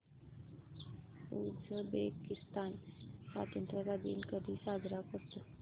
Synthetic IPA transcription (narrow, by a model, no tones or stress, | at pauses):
usəbekist̪ansa̰t̪jənt̪ɾəkad̪ḭːnkəd̪ʱiːsaɡɾakɔɾt̪o